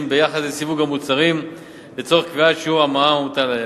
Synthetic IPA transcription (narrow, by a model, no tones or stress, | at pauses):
mbe̞jaχad̪lesivuɡamut͡saʁim | bet͡so̞ʁeχkviatʃeuamaaut̪ale